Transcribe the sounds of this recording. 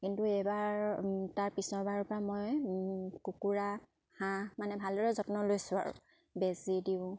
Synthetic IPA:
kintuɛbaɹtaɹpisɔɹbaɹɔɹpɔɹamɔj | kukuɹa | hãmanɛbʱaldɔɹɛzɔtnɔlojsʊa̰ɹʊ̰̃ | bɛzidiʊ̃

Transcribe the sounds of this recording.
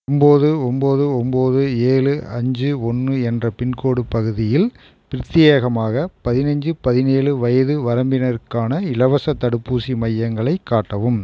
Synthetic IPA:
ɔmboːðɯɔmboːðɯɔmboːðɯeːɭɯɐɲd͡ʒɯɔnːɯɛndrɐpɪnkoːɽɯpɐɣɯðɪjɪl | pɪɾɪt̪ːɪjeːɣɐmaːɣɐpɐðɪnɐɲd͡ʒɯpɐðɪneːɭɯʋɐjɐðɯʋɐɾɐmbɪnɐɾɯkːaːnɐɪɭɐʋɐsɐt̪ːɐɽɯpːuːsimɐjːɐŋɡɐɭɐɪkːaːʈːɐʋɯm

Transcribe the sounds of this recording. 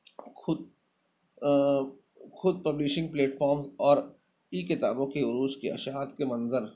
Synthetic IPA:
ʊd̪ | xʊd̪̚pɐblɪʃɪ̃ŋɡ̚pleːʈfʰɔːɾmzɔːɾ | iːkɪt̪a̰ːbõkeʊɾuːskeɐ̰ʃaːt̪̚kemɐ̃nzəɾ

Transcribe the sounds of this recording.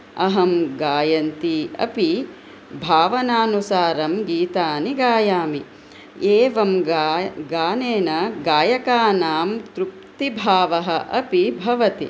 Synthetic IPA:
ɐɦɐmɡaːjɐnt̪iɐ̰pi | bʱaːʋɐnaːnusaːɾɐmɡiːt̪aːniɡaːjaːmi | eːʋɐm | ɡaːneːnɐɡaːjɐkaːnaːmt̪ɾup̚t̪ibʱaːʋɐɦɐ̆ʔɐpibʱɐʋɐt̪ḭ

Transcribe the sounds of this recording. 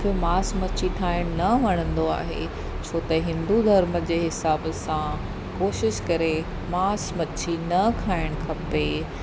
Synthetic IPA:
kʰemaːsmɐt͡ɕʰiʈʰaːɪɽ̃nɐʋɐɽ̃ə̃nd̪oa̰ːɦḛ | t͡ɕʰoːt̪ɐɦɪ̃nd̪ud̪ʱɐɾməd͡ʑeːɦɪsaːbəsã | koːʃɪʃkɐɾe | maːsmɐt͡ɕʰinɐkʰaːɪɽ̃kʰɐpe

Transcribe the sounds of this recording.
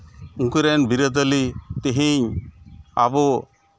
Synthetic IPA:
uŋkuɾɛnbiɾəd̪əlit̪eɦĩɲ | abɔ

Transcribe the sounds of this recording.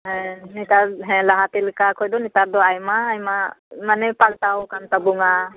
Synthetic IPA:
ɦɛ̃nit̪aɾɦɛ̃laɦat̪ilkakʰɔjd̪ɔnit̪aɾd̪ɔajmaːjmamanɛpalt̪awkant̪abuŋa

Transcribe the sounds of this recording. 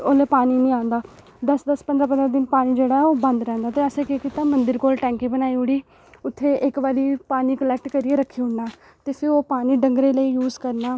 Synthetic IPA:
oːleːpaːniːnĩːãːnd̪aː | d̪əsd̪əspənd̪ɾaːp̬ənd̪ɾaːd̪ɪnpaːniːd͡ʒeːɽaːɛoːbə̃nd̪ɾɛ̃ːnd̪aːt̪eːəseːkekit̪aːmənd̪ɪɾkoːlʈɛ̃ːŋkiːbənaːiːɦʊɽiː | ʊt̪ʰːeːʔɪkʋaːliːpaːniːkəlɛːk̚ʈkəɾieːɾəkʰːiːɦʊɳnaː | t̪eːfʰɪɾoːpaːniːɖəŋɡɾeːləiːjuːzkəɾnaː

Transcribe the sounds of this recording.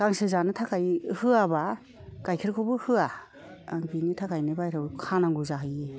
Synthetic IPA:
ɡ̥aŋsɯzanɯtʰakʰajhɯaba | ɡ̥ajkʰiɾkʰubɯhɯaː | ŋbinitʰakʰajnibajɾʰɯwkʰanaŋɡuzaɦɯje

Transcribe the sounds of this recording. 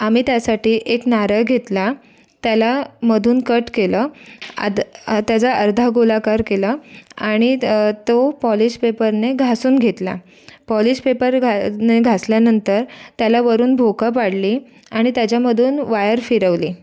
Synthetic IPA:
amiːt̪jasaʈiːʔeknaɾəjɡʱet̪la | t̪jalaməd̪ʱuːnkəʈkeləːa̰t̪jat͡saʔəɾd̪ʱaɡolakaɾkeləaɽ̃it̪opɔlispepəɾneɡʱasuːnɡʱet̪la̰ | pɔlispepəɾɡʱneɡʱasljanənt̪əɾt̪jalaʋəɾuːnbʱokapaɽliː | aɽ̃it̪jat͡ɕjaməd̪ʱuːnʋajəɾfiɾəʋliː

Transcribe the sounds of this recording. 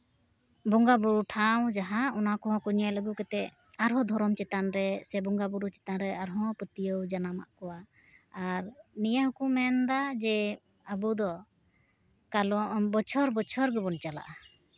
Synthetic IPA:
bɔŋɡabuɾuʈʰaw̃d͡ʒaɦaɔnakɔɦɔ̃kuɲaləɡukɛt̪ɛ | aɾɦɔ̃d̪ʱɔɾɔmt͡ʃɛt̪anɾɛsɛbɔŋɡabuɾut͡ʃɛ̥t̪anɾɛaɾɦɔ̃pət̪ijəwd͡ʒanama̰ʔkɔwaː | ɾnijaɦukumɛnd̪ad͡ʒɛ | abud̪ɔ | kalɔʔbɔt͡ʃʰɔɾbɔt͡ʃʰɔɾɡɛbɔnt͡ʃala̰ʔa

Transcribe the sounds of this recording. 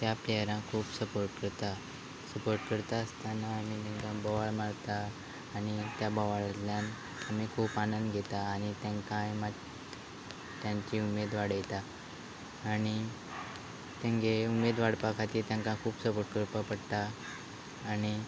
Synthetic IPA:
t̪japleaɾãkʰuːpsəpoɾʈkəɾt̪a | səpoɾʈkəɾt̪aəst̪anaːmit̪ẽŋkãbəʋaɭmaɽt̪aː | ɽ̃it̪jabəʋaɭatljan | amikʰuːpanənd̪ɡʱet̪aːɽ̃it̪ãŋkãjma | t̪jãɲt͡ɕiumed̪ʋaɽjet̪aː | ɽ̃i | t̪ẽŋɡeumed̪ʋaɽpakʰat̪iːɾt̪jãŋkãkʰuːpsəpoɾʈ̚kəɾpapəɽt̪aː | ɽ̃i

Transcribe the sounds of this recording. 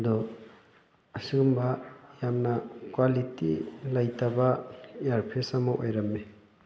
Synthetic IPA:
dɔ | ɐsiɡumbajamnakwalitḭlajtabaaɾpʰesamɔʔojɾɐmːe

